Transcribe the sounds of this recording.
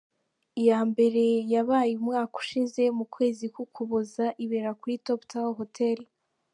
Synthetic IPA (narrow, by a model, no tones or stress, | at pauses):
ijaːmbe̞ɾe̞jaβaːjumŋaːku̥ʃize̞mukwe̞ːzikukʰuβozaʔiβe̞ɾakuɾitoptawoɦotʰeɾi